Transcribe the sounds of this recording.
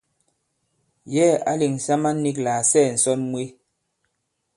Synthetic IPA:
jɛ˦a̰˦li˨ŋ̩˨sa˦ma˦nː˦i˦klaː˨sɛː˦˨n̩˨sɔ˦nmwi˦

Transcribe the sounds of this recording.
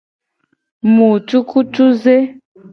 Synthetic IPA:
mu˨tu˦ku˦tu˦ze˦

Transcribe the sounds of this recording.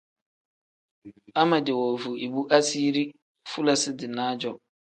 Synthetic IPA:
a˦mã˨dɛ˨wɔ˨vu˨e˨bu˦ʔa˦si˦ɾi˦ | fu˦la˨sɪ˦dɪ˨nãː˦d͡ʑɔ˨

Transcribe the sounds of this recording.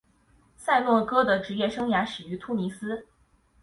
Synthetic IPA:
sa˥˧ɪlwɔ˥˧kɤ˥d̪ə˨ʈ͡ʂɻ̩˧˥jɛ˥˩ʂɤ˥ŋja˧˥ʂɻ̩˨˩y˧˥t̪ʰu˥mi˧˥sɹ̩˥

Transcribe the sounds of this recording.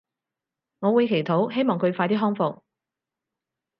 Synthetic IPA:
ŋɔː˨˧wuː˨˧jkʰe˨˩jt̪ʰo˨˥wɦe˥jmɔː˨ŋkʰɵ˨˧ɥfaː˧jt̪iː˥ɦɔː˥ŋfʊ˨k̚

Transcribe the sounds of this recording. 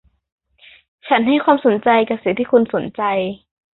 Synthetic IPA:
t͡ɕʰa˦˥nɦa˥˩jkwaː˧mso˩˦nt͡ɕa˧jka˧˩p̚si˨˩˦t̪ʰiː˥˩kʰu˧nso˩˦nt͡ɕa˧j

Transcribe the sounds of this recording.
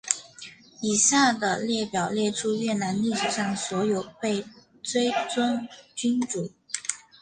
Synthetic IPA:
i˨˩sja˥˩d̪ə˩ljɛ˥˩pjɑ˨˩ʊljɛ˥˩ʈ͡ʂʰu˥ɥɛ˥˩na˧˥nli˥˩ʂ̩˨˩ʂɑ˥˩ŋswɔ˧˥jo˨˩ʊpe˥˩ɪ | t͡swe˥ɪt͡swə˥ŋt͡ɕy˥nʈ͡ʂu˨˩˥

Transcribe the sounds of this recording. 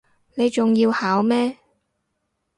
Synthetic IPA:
ne˨˧jt͡sʊ˨ŋjiː˧whaː˨˥wmɛː˥

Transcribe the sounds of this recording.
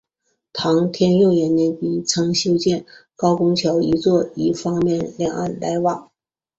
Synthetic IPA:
t̪ʰɑ˧˥ŋt̪ʰjɛ˥njʊ˥˩ʊjɛ˧˥nnɛ˧˩npi˧˥t͡sʰɤ˥ŋɕjo˥ʊt͡ɕjɛ˥˩nkɑ˥ʊkʊ˥ŋt͡ɕʰjɑ˧˥ʊi˧˥t͡swɔ˥˩i˧˥˩fɑ˥ŋmjɛ˥˩nljɑ˨˩ŋa˥˩nla˧˥ɪwɑ˨˩˦ŋ

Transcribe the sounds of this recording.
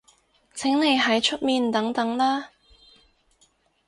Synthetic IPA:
t͡sʰɪ˨˥ŋne˨˧jɦɐ˨˥jt͡ʃʰɵ˥t̚miː˨˧nt̪ɐ˨˥ŋt̪ɐ˨˥ŋlaː˥

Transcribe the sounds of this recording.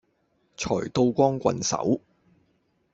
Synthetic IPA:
t͡ʃʰɔː˨˩jt̪o˧wkʷɔː˥ŋkʷɐ̰˨nsɐ̰˨˥w

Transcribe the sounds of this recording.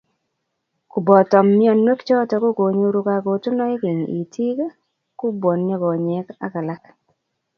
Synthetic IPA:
ku˨bɔ˨tɔ˨mːɪ˦ɔ˦˨nːwe˦kt͡ʃɔ˦tɔ˨kʊ˦ko˨ɲo˦ɾʊ˦ka˨ɡo˨tu˦nɔ˦ɪ˦kɪ˨ɲḭ˨tʰi˦k | kʊ˦bwɔ˨nɲɔ˦ɡɔ˨ɲɛ˨ka̰˦ka˨la˦k

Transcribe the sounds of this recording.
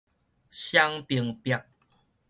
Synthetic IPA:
ɕja˦ŋpi˧˩ŋpja˨ŋ

